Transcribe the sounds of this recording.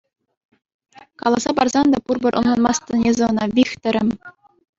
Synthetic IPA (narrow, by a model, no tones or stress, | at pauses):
kɑlˠɑzɑpɑrzɑnd̪ɑpurbɤ̆rʔŏnlˠɑnmɑst̪ɤ̆nʲnʲezʲɘ̆ɤ̆nɑʋʲixt̪ʲɘ̆ɾʲɘ̆mʲ